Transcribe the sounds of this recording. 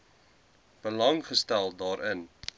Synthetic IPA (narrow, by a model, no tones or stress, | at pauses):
b̥əlɐŋχəstælˠdɑːɾʔən